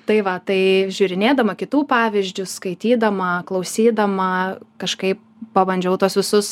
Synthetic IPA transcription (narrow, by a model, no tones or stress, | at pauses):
t̪ɐɪʋɐt̪ɐɪʒʲuːɾʲɪnʲeːd̪ɐmɐkʲɪt̪uːpɑːʋʲɪzʲd͡ʒʲʊskɐɪt̪ʲiːd̪ɐmɐklˠɐʊsʲiːd̪ɐmɐkɐʃkɐɪp̚ | pɐbɐnʲd͡ʒʲɛʊt̪uɔsʋʲɪsʊs